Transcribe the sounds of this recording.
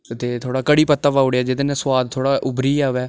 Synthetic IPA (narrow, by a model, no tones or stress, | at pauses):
ət̪eːt̪ʰoːɽaːkəɽiːpət̪ːaːpaːʊɽejaːd͡ʒɪd̪nẽːswaːd̪̚t̪ʰoːɽaːʔʊbɾiːaːʋɛː